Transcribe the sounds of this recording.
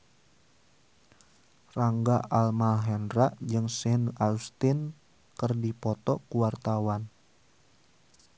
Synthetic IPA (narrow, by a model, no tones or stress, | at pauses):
raŋɡaʔalmalɦɛnraʔd͡ʒɨŋsɛnalst̪in | kɨrdipɔt̪ɔkuwart̪awan